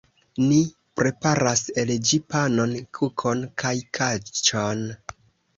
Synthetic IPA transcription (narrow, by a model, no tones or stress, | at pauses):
ni | pɾe̞paɾaseld͡ʒipano̞nkʰukʰo̞nkʰajkʰat͡ʃon